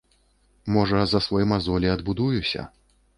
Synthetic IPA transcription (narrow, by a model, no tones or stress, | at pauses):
mɔʐɐzɐsvɔjimazɔlʲiɐd̪bud̪ujusʲɐ̰